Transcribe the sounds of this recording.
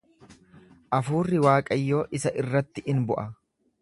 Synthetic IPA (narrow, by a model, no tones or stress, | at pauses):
ʔɐfuːrːɪwaːkʼɐjːo̞ːʔɪsɐʔɪrːɐt̪ːɪʔɪnbʊʔɐ